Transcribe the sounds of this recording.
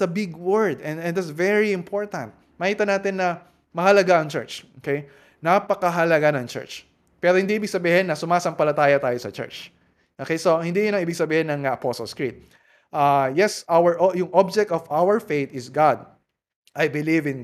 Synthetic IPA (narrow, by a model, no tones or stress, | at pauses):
ɐbɪɡwɛɹd̪ɛnɛ̃nd̪at̪svɛɹiɪ̃mpʰoɹt̪ɐ̰̃nt̪̚mɐkiːt̪ɐnaːt̪ɪnːɐ | mɐhɐlɐɡaɐŋt͡ʃɛ̰ɹt͡ʃokej | nɐpɐkɐɦɐlɐɡanɐŋt͡ʃɛ̰ɹt͡ʃ | pɛːɾohɪnd̪iʔiːbɪɡ̥sɐbiːhɪnːɐsʊmaːsɐmpɐlɐt̪aːjot̪aːjosɐt͡ʃɛ̰ɹt͡ʃ | ʔokejsohɪnd̪ijʊnɐŋiːbɪɡsɐbiːhɪnɐŋɐʔɐposo̰lskɹit̪̚ | ʔajɛsʔawəɹʔojʊŋʔob̚d͡ʒɛk̚t̪ɔvawəɹfejt̪ɪsɡad̪̚ | ʔajbɪlivɪ̃n